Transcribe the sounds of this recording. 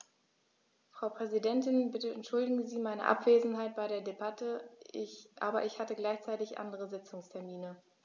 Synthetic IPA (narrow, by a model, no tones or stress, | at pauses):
fʁ̥aʊpʁ̥ɛzidɛntɪnbɪtəɛntʃʊldɪɡŋ̩ziːmaɪnə̰ʔa̰pv̥eːzn̩ɦaɪt̚b̥aɪɾeːɐdebatʰə | ʔa̰ːbɐʔɪçhatəɡlaɪçt͡saɪtɪçʔa̰ndəʁəzɪt͡sʊŋstʰɛɐmiːnə